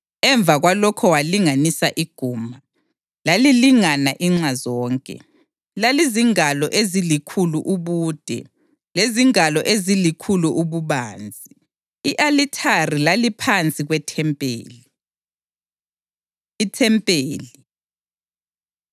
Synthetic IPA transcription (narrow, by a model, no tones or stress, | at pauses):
ɛɱb̪vʱaɣwalɔkʰɔwaliŋanisaʔiɡ̥ʱuːma | laliliŋanaʔiŋ͡ǁazɔːŋkʼɛ̰ | laliziŋalɔʔezilikʰuluʔuβuːd̥ʱɛ̰ | leziŋalɔʔezilikʰuluʔuβuβaːnd͡zʱi | iʔalitʰarilalipʰant͡sʼiɣwɛtʰɛmpʼḛːli | itʰɛmpʼeːli